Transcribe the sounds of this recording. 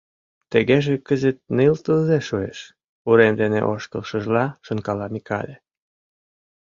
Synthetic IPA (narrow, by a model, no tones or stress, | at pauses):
t̪eɣeʒekəzet̪̚nəlt̪əlzeʃuḛʃ | uɾemd̪enḛʔoʃkəlʃə̆ʒlɑʃə̆nkɑlɑmikɑ̰lʲe